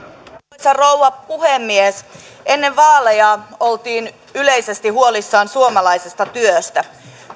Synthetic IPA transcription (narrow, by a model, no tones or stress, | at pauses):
sɑrowʋɑpuhemːies | enːeʋʋɑːlejɑolt̪iːn | yle̞jse̞st̪iɦuolisːɑːnsuomɑlɑisest̪ɑt̪yøst̪æ